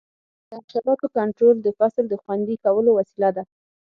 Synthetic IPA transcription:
d̪̥əaʃɑbɑt̪okaɳʈɾold̪əfasld̪əxwand̪ikawəlowasilad̪a

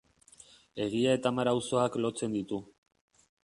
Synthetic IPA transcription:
e̞ɣ̞iae̞t̪amaɾawso̞aklo̞t͡se̞nd̪it̪u

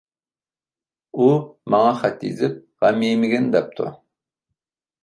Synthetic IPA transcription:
umɑŋɑχɛt̪ːḭzɪp̚ | ʁɑmijmɪɡʲɪnd̪ɛp̚t̪ʰʊ̰

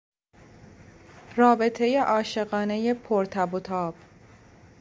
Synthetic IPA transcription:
rɒːbe̞t̪ʰe̞je̞ʔɒːʃe̞ɣɒːne̞je̞pʰoɾt̪ʰæbot̪ʰɒːb̥

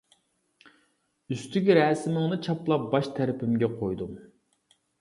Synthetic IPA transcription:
yst̪ʰykʲɾɛːsɪmɪŋnɨt͡ʃʰɑplˠɑp̚bɑʃt̪ʰæɾɪpʰɪmɡʲɛqʰojd̪um

